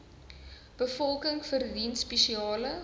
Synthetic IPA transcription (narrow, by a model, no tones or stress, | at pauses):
b̥əfɔlˠkəŋfərdinspeʃiɑːlə